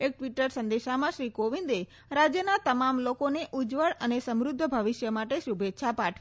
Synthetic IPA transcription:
ek̚ʈʋiʈəɾsə̃nd̪eʃamãʃɾikoʋĩnd̪e | ɾad͡ʒjənat̪əmamlokoneʔʊd͡ʒʋəɭənesəmɾʊd̪ʱːəbʱəʋɪʃjəmaʈeʃubʱet̪ːʃʰapaʈʰʋi

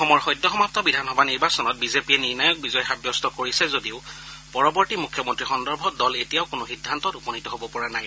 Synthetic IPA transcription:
xɔmɔɹxɔjdːɔxɔmap̚tɔbidʱanxɔbʱaniɹbasɔnɔt̚bizepiɛniɹnajɔk̚bizɔjɔxabjɔstɔkoɹisɛzodiʊpɔɹɔbɔɹtimukʰjɔmɔntɹixɔndɔɹbʱɔdɔletijaʊkʊnʊxidʱːantɔtupɔnitɔɦobɔpɔɹanaj

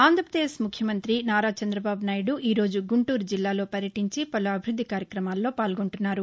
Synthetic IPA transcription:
aːnd̪ʱɾɐpɾɐd̪eːsmukʰjɐmɐnt̪ɾinaːɾaːt͡ʃɐnd̪ɾɐbaːbunaːjɽuʔiːɾo̞ːd͡ʒuɡuɳʈuːɾd͡ʒilːaːlo̞ːpɐɾjɐʈiɲt͡ʃipɐluɐbʱiɾud̪ːikaːɾjɐkɾɐmaːlːo̞ːpaːlɡoɳʈunːaːɾu

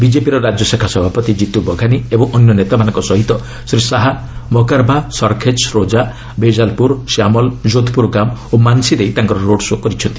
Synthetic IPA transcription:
bid͡ʒepiɾɔɾad͡ʒɔsekʰasɔbʱapɔt̪id͡ʒit̪ubɔɡʱaniebɔŋʔɔnjɔnet̪amanɔŋkɔsɔɦit̪ɔ | sɾisaɦa | mɔkaɾbʱasɔɾkʰed͡ʒɾod͡ʒa | bed͡ʒalpuɾsamɔld͡ʒod̪ʱpuɾɡamomansid̪ejt̪aŋkɔɾɔɾoɖsokɔɾit͡ʃʰɔnt̪i̥

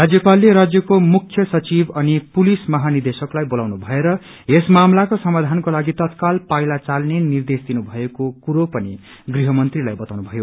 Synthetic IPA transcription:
rad͡zjʌpalːeɾad͡zjʌkomukʰːjʌsʌt͡sibʌnipulismʌɦanird̪esʌklajbolawnubʱʌeɾʌ | esmamlakosʌmad̪ʱankolaɡit̪ʌt̪kalpajlat͡salnenird̪esd̪inubʱʌekokuɾopʌni | ɡriɦʌmʌnt̪rilajbʌt̪awnubʱʌjo

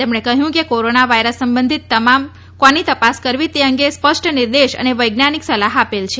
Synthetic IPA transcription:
t̪emɳekəɦjũkekoɾonaʋajɾəsːəmbənd̪ʱit̪ːəmam | kãnit̪əpaskəɾʋit̪eəŋɡespəʂʈəniɾd̪eʃə̰neʋəjɡnaniksəlaɦapelt͡ʃʰe

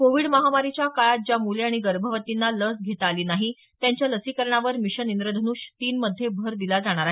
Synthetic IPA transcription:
koʋiɽməɦamaɾit͡ɕjakaɭat̪̚d͡ʑjamuleaɽ̃iɡəɾbʱəʋət̪inːaləsɡʱet̪aliːnaɦi | t̪jaɲt͡ɕjaləsiːkəɾɳaʋəɾmiɕənind̪ɾəd̪ʱənuːɕt̪iːnməd̪ʱːjebʱəɾd̪ilad͡zaɽ̃aɾaɦ

